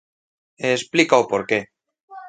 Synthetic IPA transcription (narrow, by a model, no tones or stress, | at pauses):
esplikaopoɾke